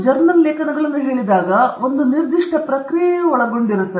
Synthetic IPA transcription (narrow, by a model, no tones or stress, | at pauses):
d͡ʒɐɾmɐnleːkɐnɐɡɐɭinːɐɦeːɭid̪aːɡɐond̪uniɾd̪iʂʈʰɐpɾɐkɾijɐɔɭɐɡoɳɖiɾɐsːɐ